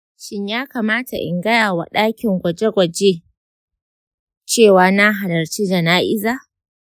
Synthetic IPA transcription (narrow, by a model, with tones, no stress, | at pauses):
ʃɪ˦ɲjaː˦kaː˨maː˦ta̰˨ʔɪ̰˨ŋɡɐ˦jaː˨wa̰˨ɗaː˦kʲɪ˨ŋɡʷɐ˨d͡ʒe˦ɡʷɐ˨d͡ʒe˦ | t͡ʃeː˦˨waː˦na˦ɦa˨lɐ˨rt͡ʃi˦d͡ʒɐ˨naː˦ʔɪ˦zaː˦˨